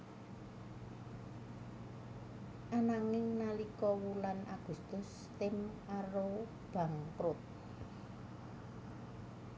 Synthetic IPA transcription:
ʔanaŋɪŋnalikɔwulanʔaɡ̥ṳst̪ʊs | t̪ɪm | aɾo | b̥a̤ŋkɾʊt̪̚

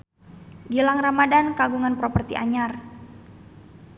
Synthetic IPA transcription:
ɡilaŋramadankaɡuŋanpɾopərt̪ḭʔaɲar

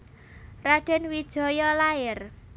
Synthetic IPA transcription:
rad̥ɛ̤nwid̥ʒ̥ɔ̤jɔlaɪr

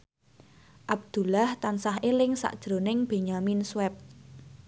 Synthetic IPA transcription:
ʔab̚d̪̥ṳlaht̪ansaɦelɪŋsa̰ʔd̥ʒ̥ɾo̤nɪŋb̥e̤ɲaminswɛp̚t̪

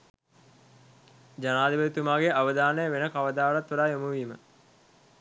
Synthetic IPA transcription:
d͡ʒanaːd̪iʋət̪umaːɡeʔaʋəd̪aːnəjəʋenəkaʋəd̪aːʋlat̪ːʋuɾaːjomuʋiːmə

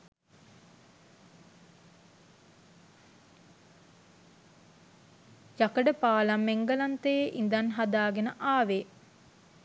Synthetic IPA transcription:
jakəɖəpaːlamːeŋɡəlant̪əjeʔind̪anɦad̪aːɡenəʔaːʋe

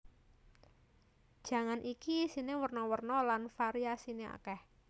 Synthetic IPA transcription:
d̥ʒ̥ä̤ŋanʔikisinewərnɔwərnɔlanfaɾiasinea̰kɛh

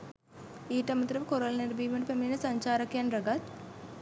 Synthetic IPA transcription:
iːʈəmɐt̪ɾəʋəkoɾolneɾbiːməʈəpeminəsaɲt͡ʃaːɾakjanrɐɡat̪̚

